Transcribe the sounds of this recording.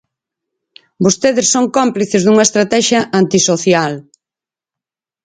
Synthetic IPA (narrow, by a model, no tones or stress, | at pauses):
bost̪eðɪsːoŋkompliθezðuŋɐest̪ɾat̪ɛʃjɐʔant̪isoθjal